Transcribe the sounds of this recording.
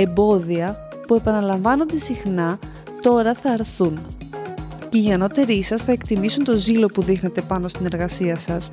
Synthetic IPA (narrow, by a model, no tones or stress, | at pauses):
e̞mbo̞ðiɐ | pue̞pɐnɐlɐɱvɐno̞nd̪e̞sixnɐ | t̪o̞ɾɐθɐːɾθun | ce̞iʝɐno̞t̪e̞ɾisɐsθɐe̞kt̪imisunt̪o̞zilo̞puðixne̞t̪e̞pɐno̞st̪ine̞ɾɣɐsiɐsɐs